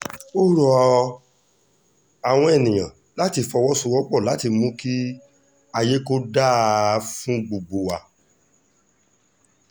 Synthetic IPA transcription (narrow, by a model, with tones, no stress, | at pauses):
o˦ɾɔ˨˧ | a˨w̃ɔ̃˧ɛ˨nĩ˨j̃ã˨ | la˨˦ti˧fɔ˧wɔ˦su˧wɔ˦k͡pɔ˦˨la˨˦ti˧mũ˦ki˦ | a˧je˦ko˦da˦˨˦fũ˦ɡ͡bu˨ɡ͡bu˨wa˨